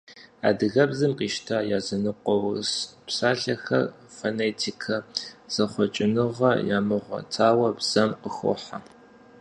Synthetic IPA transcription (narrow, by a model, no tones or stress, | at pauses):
a̰ːdɨɣɐbzɨmqiːʃtʰaːjaːzɐnɨqʷɔwspsaːɬɐxɐ̰r | foneːtʰikʰɐz̥ɐχʷɔt͡ʃʼɪnɨʁɐ̰jaːmɨʁʷɐ̰tʰaːwɐbz̥ɐmqəxʊ̰ħa